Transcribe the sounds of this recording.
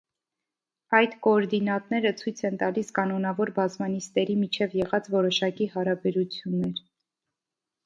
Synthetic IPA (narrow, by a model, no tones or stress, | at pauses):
ɑjt̪kɔːɾd̪inɑt̪nɛɾət͡sʰujt͡sʰɛnt̪ɑliskɑnɔnɑvɔɾbɑzmɑnist̪ɛɾimit͡ʃʰɛvjɛʁɑt͡svɔɾɔʃɑkihɑɾɑbɛɾut͡sʰjunːɛɾ